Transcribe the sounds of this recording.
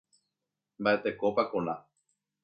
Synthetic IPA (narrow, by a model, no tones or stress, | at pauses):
mbaʔet̪ekopakõnã